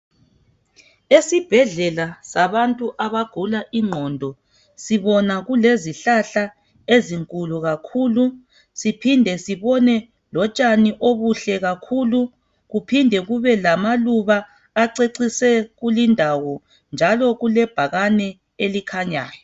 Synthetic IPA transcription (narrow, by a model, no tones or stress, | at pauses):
esib̥ʱɛɮɛlasaβantʼuʔaβaɡ̥ʱulaʔiŋ͡ǃʱɔːndʱɔ | siβɔnaɣuleziɬaɬa | eziŋkʼuluɣakʰuːlu | sipʰindʱɛsiβɔnɛ | lɔt͡ʃʼaniʔoβuɬɛɣakʰuːlu | ɣupʰindʱɛɣuβɛlamaluβaː | ǀeǀisɛɣulindʱawɔ | nd͡ʒʱalɔɣulɛb̥ʱaɣanɛ | elikʰaɲa̰ːjɔ